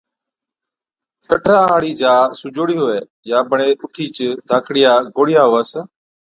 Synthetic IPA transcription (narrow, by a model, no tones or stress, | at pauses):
kəʈʰɾaːɦaːɽiːd͡ʒaːsʊd͡ʒoːɽiːɦʊːeː | jaːbʱəɳeːʔʊʈʰiːt͡ʃd̪ʱaːkʰɽɪjaːɡoːɽɪjaːɦoːəsə